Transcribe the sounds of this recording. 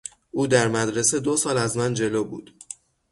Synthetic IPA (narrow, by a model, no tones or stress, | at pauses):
ʔuːd̪æɾmæd̪ɾe̞se̞d̪osɒːlæzmænd͡ʒe̞loːbṵːd̪̥